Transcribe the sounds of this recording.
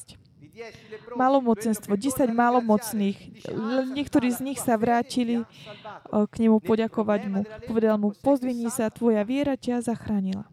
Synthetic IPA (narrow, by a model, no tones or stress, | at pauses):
malɔmɔt͡sɛnst̪ʋɔɟɛsaɟmalɔmɔt͡sniːxlɛnɲɪɛkt̪ɔɾiːzɲixsaʋɾaːcili | kɲɛmupɔɟakɔʋaɟmupɔʋɛd̪almupɔzʋiɲiːsat̪ʋɔjaʋɪɛɾacazaxɾaːɲila̰